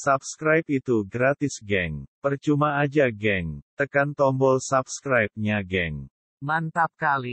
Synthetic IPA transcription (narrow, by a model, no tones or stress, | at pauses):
sap̚skɾajpit̪uɡɾat̪ɪsɡɛŋpərt͡ʃumaad͡ʒaɡɛŋt̪əkant̪ɔmbɔlsapskɾajp̚ɲaɡɛŋ | mant̪ap̚kali